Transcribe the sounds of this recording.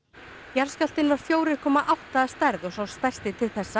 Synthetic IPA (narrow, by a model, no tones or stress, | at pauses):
jalscal̥t̪ɪnvaɾ̥fjoːwɾɪ̥kʰɔːmaʔawht̪aːst̪ajɾðɔsawst̪aj̥st̪ɪt̪ʰɪlθɛsːa